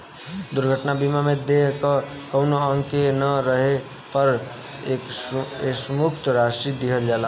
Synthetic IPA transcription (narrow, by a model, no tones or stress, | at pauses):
d̪uɾɡʱəʈnabimamed̪eɦkə | kəʊnoəŋkenəɾəɦe | pəɾ | ekesmukʰt̪ɾasʈɾid̪iɦəld͡ʒala